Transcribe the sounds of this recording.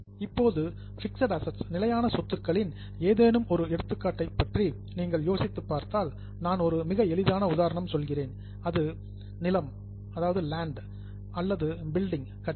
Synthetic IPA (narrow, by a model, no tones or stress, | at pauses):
ɪpːoːðɯ | fɪksɐɽɐsɐʈsnɪlɐjaːnɐsɔt̪ːɯkːɐɭɪn | eːðeːnɯmɔɾɯɛɽɯt̪ːɯkːaːʈːɐɪpːɐʈri | niːŋɡɐɭjoːsɪt̪ːɯpːaːɾt̪aːl | naːnɔɾɯmɪɣɐɛɭɪðaːnɐʊðaːɾɐɳɐmsɔlɣɪreːn | ɐðɯ | nɪlɐm | ɐðaːʋɐðɯlaːɳɖ | ɐlːɐðɯbɪlɖɪŋ | kɐʈ